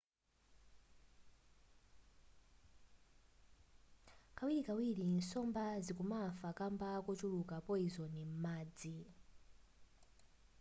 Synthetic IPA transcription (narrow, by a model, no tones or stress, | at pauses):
kawiɾikawiɾinsɔmbazikumafakambakɔt͡ʃulukapɔizɔnim̩maːd͡zi